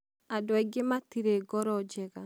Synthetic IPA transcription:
adɔɛɡematiɾeɡɔɾɔd͡ʒɛɣa

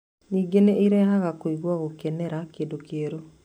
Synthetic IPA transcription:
niːɡeneiɾɛɦaɣakoiɣwaɣokɛnɛɾakeːndokeːɾo

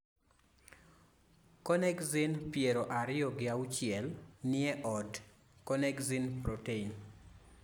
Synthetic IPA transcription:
konɛkzinpjeɾoʔaɾɪjɔɡɪaut͡ʃɪɛlnɪɛʔɔd | konɛɡzinpɾotein

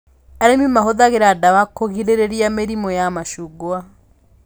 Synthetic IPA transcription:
aɾemimaɦoðaɣeɾadaβakoɣiɾeɾeɾjameɾimɔjamaʃuɡwa

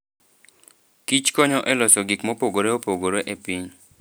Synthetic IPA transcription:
kit͡ʃkɔɲɔʔɛlɔsɔɡikmɔpoɡoɾeopoɡoɾeʔepiɲ

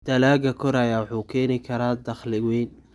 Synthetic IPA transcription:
d̪̥ɐlaːɡɐkʰɔɾaːjawħuːkʰɛːnɪkʰɐɾaːd̪ɐχlɪwɛjn

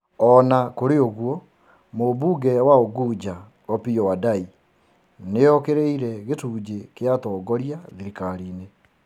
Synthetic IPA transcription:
ɔnakoɾeoɣwɔ | mobuːɡɛwaoɡud͡ʑa | ɔpijɔwadai | nejɔkeɾeiɾɛɣetuːd͡ʑekeatɔːɡɔɾiaðiɾikaɾiːne

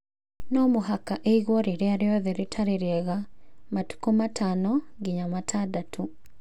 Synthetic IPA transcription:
nɔmoɦakaʔeiɣwɔɾeɾeaɾeɔðɛɾetʰaɾeɾɛɣamatu̥komatʰanɔɡiɲamatʰadatʰu

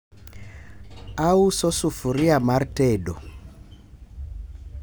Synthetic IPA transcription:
ausɔsufuɾiamaɾtɛdɔ

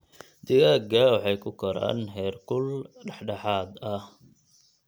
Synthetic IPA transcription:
d̪̥ɪɣaːɡɐwɑħɑjkʰʊkʰɔɾa̰ːnɦɛːrkʰʊlɖɐħɖɑħaːd̪ɐh

